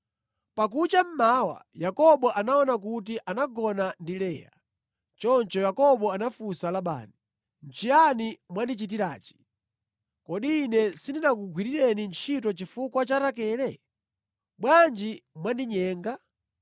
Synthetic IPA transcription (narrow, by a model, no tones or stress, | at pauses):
pakut͡ʃam̩mawa̰jakɔɓɔʔanaɔnak̬utiʔanaɡɔnandilɛːja̰ | t͡ʃɔnt͡ʃɔjakɔɓɔanafusalaɓa̰ːni | n̩t͡ʃʰijanimwandit͡ʃit̬iɾa̰ːt͡ʃi̥ | kɔɗiːnɛsindinak̬uɡwiɾiɾɛnint͡ʃʰitɔt͡ʃifukwat͡ʃatak̬ɛːlɛ | ɓwand͡ʒimwandiɲɛːŋɡa